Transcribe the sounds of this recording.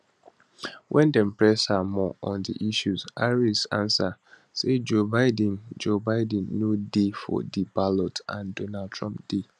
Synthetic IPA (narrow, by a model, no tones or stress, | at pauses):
wʔɛ̃ndɛm̩pɹɛshamɔʔɔ̃ndḭʔiʃuzaɹisã̰nsa | sed͡ʒobaɪdɛ̃nd͡ʒobaɪdɛ̃n̩ːodefɔ̰dibalɔtã̰ndonadtʰɹɔ̃mpd̥e